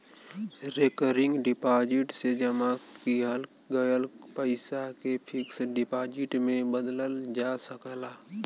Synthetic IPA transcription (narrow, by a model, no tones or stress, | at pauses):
ɾekəɾɪ̃ŋɡɖɪpaːd͡ʒɪʈsed͡ʒəmakiɦəl | ɡəjəlpəɪsakepʰɪksɖɪpaːd͡ʒɪʈmẽbəd̪ləld͡ʒasəklaː